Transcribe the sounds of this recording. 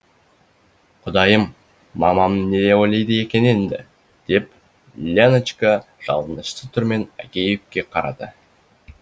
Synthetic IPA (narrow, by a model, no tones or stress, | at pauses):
qʰʊd̪ɑjəmː | ɑmɑmne̞d̪eojlˠɑjd̪əje̞kʲe̞nend̪ɪ | d̪̥e̞p | lʲenət͡ʃkə | ʒ̥ɑ̰lˠənəʃt̪ət̪ʰʏɾme̞næ̰kʲe̞jɪp̚kʲːe̞qʰɑɾɑ̰d̪ə